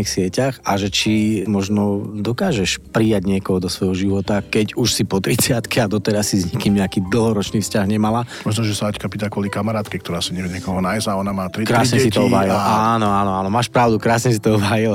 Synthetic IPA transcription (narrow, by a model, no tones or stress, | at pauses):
ixsɪɛcaxaʒɛt͡ʃimɔʒnɔd̪ɔkaːʒɛʃpɾijaɟɲɪɛkɔɦɔd̪ɔsʋɔjɦɔʒiʋɔt̪akɛɟuʃsipɔt̪ɾit͡sɪat̪kiad̪ɔt̪ɛɾasːizɲɛkiːmɲɛakiːd̪l̩ɦɔɾɔt͡ʃniːfscaɣɲɛmalamɔʒnɔʒɛsaackapit̪akʋɔlikamaɾaːt̪kɛkt̪ɔɾaːsaɲɛʋjɛɲɛkɔɦɔnajzaɔnamaːt̪ɾikɾaaːsɲɛsit̪ɔɔbaːjilanɔaːnɔaːnɔmaːʃpɾaʊd̪ukɾaːsɲɛsit̪ɔɔbajil